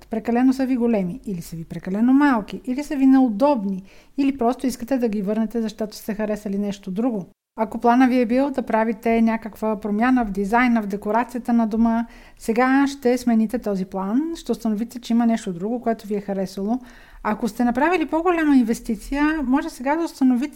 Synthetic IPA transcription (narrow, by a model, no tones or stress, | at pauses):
pɾɛkɐlɛnosəviɡolɛmiilisəvipɾɛkɐlɛnomalˠk̟iʔilisəvinɛod̪ɔbniilipɾɔst̪oiskət̪ɛd̪ɐɡʲivɤɾnɛt̪ɛzɐʃt̪ɔt̪o̥st̪ɛxɐɾɛsɐlinɛʃt̪od̪ɾuɡo | ɐkoplˠanəviɛbilˠd̪ɐpɾavit̪ɛnʲakəkvəpɾomʲjanəvd̪izajnəvd̪ɛkoɾat̪sijət̪ənɐd̪omə | sɛɡaʃt̪ɛsmɛnit̪ɛt̪ɔziplˠanʃt̪ɛʊst̪ɐnovit̪ɛt͡ʃɛimɐnɛʃt̪od̪ɾuɡokoɛt̪oviɛxɐɾɛsəlˠo | ɐkost̪ɛnɐpɾavilipoɡolʲaməinvɛst̪it̪sijəmɔʒɛsɛɡad̪ɐost̪ɐnovit̪ɛ